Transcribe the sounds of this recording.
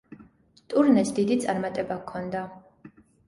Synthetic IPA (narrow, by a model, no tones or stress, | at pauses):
t̪ʼuɾnɛsd̪id̪it̪sʼaɾmat̪ʼɛbakʰːɔnd̪a